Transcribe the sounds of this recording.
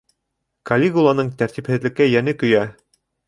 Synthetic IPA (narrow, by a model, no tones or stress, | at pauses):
kɐlʲeɡulˠanɤɴt̪æɾt̪iphɘ̆ðlɘ̆kːæjænɘkɵ̆jæ